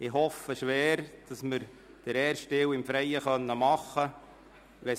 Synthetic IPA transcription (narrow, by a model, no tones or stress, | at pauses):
ɪhɔfəʃʋæːɾd̥ɑsməɾ | d̥əɾɛːɾʃtɪwɪmfɾɛjəχœnːəmɑχːə | ʋɛ